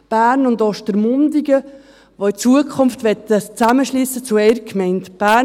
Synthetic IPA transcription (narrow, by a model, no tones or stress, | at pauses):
b̥æːɾnʊndɔʃtəɾmʊndiɡə | ʋoit͡suəkʰʊnftʋɛtːət͡sæməʃliːsət͡suɛɪɾkʰmɛɪntb̥æː